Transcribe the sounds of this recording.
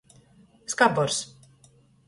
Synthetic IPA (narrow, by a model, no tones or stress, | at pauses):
skabɔɾs